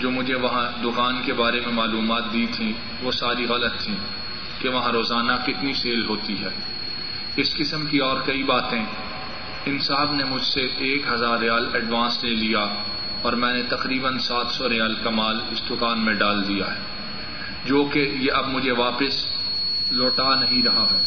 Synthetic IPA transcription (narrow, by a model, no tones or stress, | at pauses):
d͡ʒoːmʊd͡ʒʱeʋɐɦãd̪ʊkaːnkebaːɾemẽmaːluːmaːt̪̚d̪it̪ʰĩ | ʋoːsaːɾiɣɐlət̪ʰːĩ | keʋɐɦãɾoːzaːnakɪt̪niseːlɦoːt̪iɦɛː | ɪskɪsəmkiɔːɾkɐibaːt̪ẽ | ɪnsaːbnemʊd͡ʒʱseʔeːkɦɐzaːɾɪjaːlɛɖʋãːnsnẽlija | ɔːɾmɛ̃ːnet̪ɐqɾiːbənsaːt̪ʰsɔɾɪjaːlkɐmaːlɪsd̪ʊkaːnmẽɖaːld̪ija̰ɦɛː | d͡ʒoːkejeʔɐbmʊd͡ʒʱeʋaːpəs | loːʈanɐɦĩɾɐɦaɦɛː